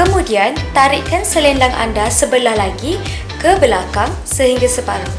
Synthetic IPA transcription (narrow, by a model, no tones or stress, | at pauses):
kəmũdiant̪aɾɪʔkansəlɛndaŋʔa̰ndasəbəlahlaɡi | kəbəlakaŋ | səɦiŋɡasəpaɾa